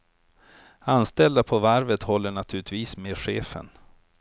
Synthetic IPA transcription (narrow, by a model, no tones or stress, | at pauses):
anst̪ɛld̪apʰɔvaɾvət̪hɔlːəɳat̪ʰʉːlɪt̪viːsmeːɧeːfə̰n